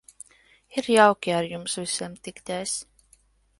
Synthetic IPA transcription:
iɾjawkʲiaɾjumsvisʲɛmt̪ikt̪ʲɛːs

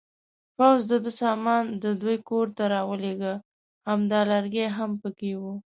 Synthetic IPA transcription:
pawzd̪əd̪əsɑmɑnd̪əd̪ojkoɾt̪aɾɑwəleɡə | hamd̪ɑlaɾɡeɦampəkewu

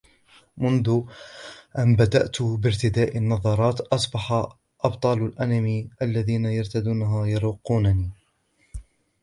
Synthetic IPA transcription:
mʊnðʊ | ʔanbad̪aʔt̪bɪɾt̪ɪd̪aːʔɪnːɑðˤɑɾˤɑːt̪ʔɑsˤbɑħa | ʔɑbt̪ˤɑːlalʔanamiːʔalːaðiːnajɑɾˤt̪ad̪uːnaɦajɑɾuːqːuːnaniː

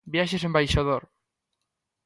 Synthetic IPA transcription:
bjaʃes̬ẽmbajʃaðoɾ

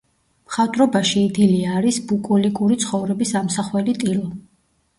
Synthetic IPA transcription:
mχat̪ʼɾɔbaʃiːd̪iliaɾisbukʼulikʼuɾit̪sʰχɔvɾɛbisamsaχwɛlit̪ʼilˠɔ

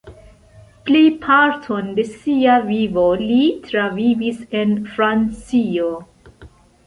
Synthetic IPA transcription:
plipʰaɾtʰonde̞siavivolitɾavivise̞nfɾant͡sio

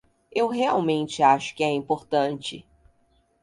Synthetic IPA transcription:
ewɦeawmẽnt͡ʃɪaʃʊ̥kɪɛĩpoɾt̪ɐ̃nt͡ʃɪ̰

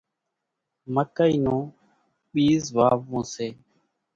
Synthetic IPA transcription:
məkəiːnõː | ɓiːzʋaːʋũːseː

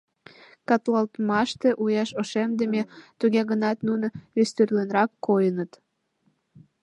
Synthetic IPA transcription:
kɑt̪lɑlt̪mɑʃt̪eʔujɑʃoʃemd̪emet̪uɣeɣənɑt̪nunəest̪yrlenɾɑkːojənət̪

